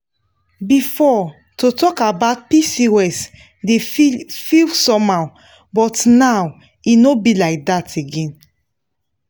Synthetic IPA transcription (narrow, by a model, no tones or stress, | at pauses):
bifɔ | tutɔkabaʊt̚pisiwɛs | defilsɔ̃maw | bɔtnaw | inobilaɪk̚dateɡɛ̃n